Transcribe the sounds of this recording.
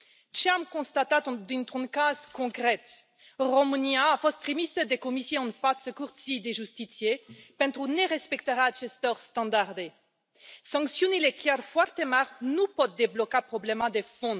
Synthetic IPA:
t͡ʃeamkɔ̃st̪at̪at̪d̪ynt̪ɔ̃nkazkɔ̃kχɛt̪ | ʁɔmunjaːfɔst̪χimisəd̪ekɔmisjeɑ̃nfat̪səkuʁsid̪eʒyst̪isjepɛ̃nt̪ʁuneʁɛspɛkt̪əʁat͡ʃɛst̪ɔʁst̪ɑ̃d̪aʁd̪e | sɑ̃ksjɔ̃nilɛklɛɾfwaʁt̪emaʁnupɔt̪̚d̪eblɔkapχɔblɛmãd̪efɔ̃

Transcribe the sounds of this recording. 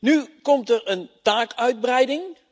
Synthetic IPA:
nykɔmtərəntaːkœɥd̚brɛjdɪŋ

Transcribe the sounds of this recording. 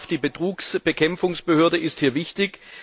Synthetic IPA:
fd̥iːbətʁ̥uːksb̥əkʰɛmfʊŋsb̥əhøːɐdəʔɪsthiːɐvɪçtɪk

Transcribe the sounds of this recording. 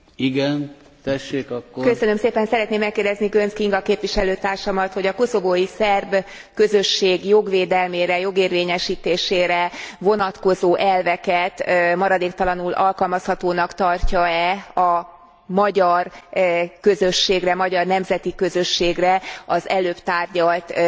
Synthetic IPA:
iɡɛn | t̪ɛʃːeːkɒkːokø̞sønø̞mseːpɛnsɛɾɛt̪neːmːɛkːeːrd̪ɛzniɡønskiŋɡɒkeːpʋiʃɛløːt̪aːrʃɒmɒt̪ho̞ɟɒko̞so̞boːjisɛrb | kø̞zøʃːeːɡjo̞ɡʋeːd̪ɛlmeːɾɛjo̞ɡeːrveːɲɛʃiːt̪eːʃeːɾɛvo̞nɒt̪ko̞zoːʔɛlvɛkɛt̪mɒɾɒd̪eːkt̪ɒlɒnulʔɒlkɒlmɒshɒt̪oːnɒkt̪ɒrcɒɛɒ | mɒɟɒr | kø̞zø̞ʃːeːɡrɛmɒɟɒrnɛmzɛt̪ikø̞zø̞ʃːeːɡrɛɒzɛløːpt̪aːrɟɒlt̪

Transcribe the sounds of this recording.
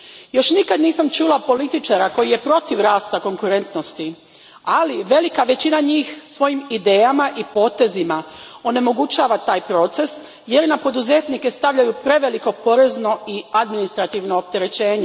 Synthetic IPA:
jo̞ʃnikad̪niːsamt͡ʃuːlapo̞lit̪it͡ʃaɾako̞jije̞pɾo̞t̪iʋɾaːst̪ako̞ŋkuɾe̞nt̪no̞st̪i | aliʋe̞likaʋe̞t͡ɕinaɲiːxsʋo̞jimid̪e̞ːjamaʔipo̞ːt̪e̞zima | o̞ne̞mo̞ɡut͡ɕaːʋat̪aːjpɾo̞t̪se̞s | je̞ɾnapo̞d̪uze̞t̪nike̞st̪aʋʎajupɾe̞ʋe̞liko̞po̞ɾe̞zno̞iad̪minist̪ɾat̪iʋno̞ːp̚t̪e̞ɾe̞t͡ɕe̞ːɲe

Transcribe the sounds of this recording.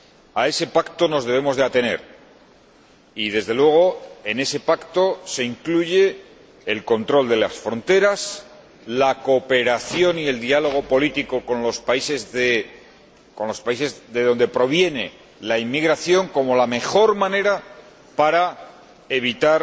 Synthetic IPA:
ae̞se̞pakt̪o̞no̞zðeβe̞mo̞zðe̞at̪e̞ne̞̰ɾ | iðe̞zðe̞lwe̞ɣ̞o̞e̞ne̞se̞pakt̪o̞se̞iŋkluʝe̞ː | lko̞nt̪ɾo̞ld̪e̞lasfɾo̞nt̪e̞ɾas | lako̞pe̞ɾaθjo̞nie̞ld̪ialo̞ɣ̞o̞po̞lit̪iko̞ko̞nlo̞spaise̞zðe | ko̞nlo̞spaise̞zðe̞ðo̞nd̪epɾo̞β̞je̞ne̞ | laimːiɣɾaθjo̞ŋko̞mo̞lame̞xo̞ɾmãne̞ɾa | paɾa | e̞β̞it̪aɾ

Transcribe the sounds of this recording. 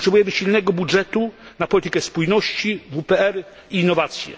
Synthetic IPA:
ɔtʂɛbujɛmɘɕilnɛɡɔbudʐɛt̪unapɔlʲit̪ɘ̥kɛspujnɔɕt͡ɕivupɛɛɾ | iːnːɔvat̪sʲjɛ̰

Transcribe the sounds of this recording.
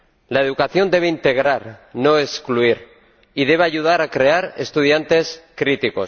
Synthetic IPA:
laeð̞ukaθjo̞nd̪e̞β̞eint̪e̞ɣ̞ɾaɾno̞eskluiɾ | iðe̞β̞eaʝuð̞aɾakɾe̞aɾest̪uð̞jant̪e̞skɾit̪iko̞s

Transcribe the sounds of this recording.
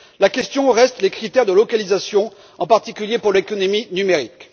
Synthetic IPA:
lakʲɛst̪jɔ̃ʁɛst̪lekχit̪ɛʁd̪əlɔkalizasjɔ̃ | ɑ̃paʁt̪ikʲyljepuʁlekɔnɔminymeʁik

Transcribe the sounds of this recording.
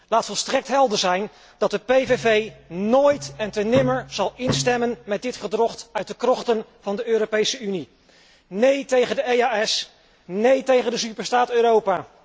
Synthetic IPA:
laːtfɔlˠstrɛk̚tɦɛlˠdəɹzɛjn | d̥ɑt̚dəpejvevejnoːjtɛntənɪməɹz̥ɑlˠɪnstɛmənmɛt̚dɪtχədrɔχtœɥt̚dəkrɔχtənv̥ɑndəøːɾopejsəyni | nejtejχəndəejaːɛs | nejtejχəndəsypəɹstaːtøːɾowpaː

